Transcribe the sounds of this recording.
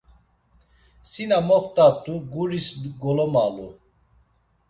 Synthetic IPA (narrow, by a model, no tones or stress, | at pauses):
sinamɔχt̪ʼat̪ʼuɡuɾisɡɔlɔmalu